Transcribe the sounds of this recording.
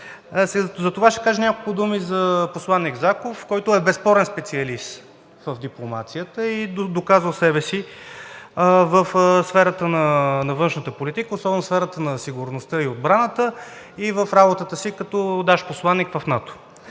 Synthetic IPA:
szɐt̪ovaʃɛ̥kaʒənʲakolˠkʊd̪umizɐposlˠanːiɡzakofkɔjt̪ʊɛbɛspɔɾɛnspɛt̪siɐlist̪ | vəvd̪iplˠoma̰t̪sijət̪əid̪okazvəlˠsɛbɛsi | vəfsfɛɾət̪ənɐnɐvɤnʃnət̪əpolit̪ikəosˠɔbɛnʊsfɛɾət̪ənɐsiɡuɾnost̪əiod̪̚bɾanət̪ə | ivəfɾabot̪ət̪əsikɐt̪ɔd̪aʃposlˠanːikvɐfnat̪o̥

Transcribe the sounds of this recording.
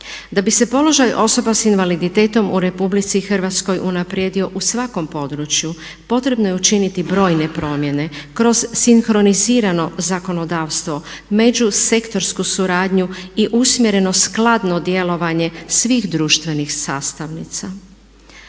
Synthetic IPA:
d̪abise̞po̞lˠo̞ʒajʔo̞so̞basinʋalid̪it̪e̞ːt̪o̞muɾe̞publit̪sixrʋat̪sko̞jʔunapɾjed̪io̞ʔusʋako̞mpo̞d̪ɾut͡ʃju | po̞t̪ɾe̞bno̞je̞ut͡ʃinit̪ibɾo̞ːjne̞pɾo̞ːmje̞ne̞kɾo̞z̥siŋxɾo̞niziːɾano̞zako̞no̞d̪aːʋst̪ʋo̞ | me̞d͡ʑuse̞kt̪o̞ɾskusuɾaːd̪ɲuiʔusmʲje̞ɾe̞no̞sklˠad̪no̞d̪je̞lo̞ʋaɲe̞sʋiːxd̪ɾuːʃt̪ʋe̞nixsaːst̪aʋnḭt̪sa

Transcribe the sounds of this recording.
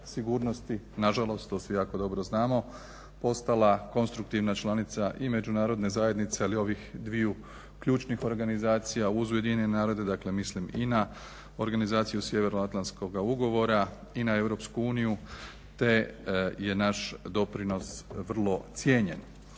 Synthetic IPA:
siɡuːɾno̞st̪inaʒalˠo̞st̪t̪oːsʋijaːko̞d̪o̞bɾo̞znaːmo̞ | po̞st̪alako̞nst̪ɾuk̚t̪iʋnat͡ʃlˠanit̪saʔime̞d͡ʒunaːɾo̞d̪ne̞zaje̞d̪nit̪sealio̞ʋixd̪ʋiju | kʎuːt͡ʃnixo̞ɾɡanizaːt̪sijauzuje̞d̪iɲɲenenaːɾo̞d̪e̞d̪akle̞mislimina | o̞ɾɡanizaːt̪sijusje̞ʋe̞ɾnoat̪lansko̞ɡauɡo̞ʋo̞ɾa | inae̞ʋɾo̞ːpskuuːniju | t̪e̞je̞naʃd̪o̞pɾino̞sʋr̩lˠo̞t̪sje̞ːɲe̞n

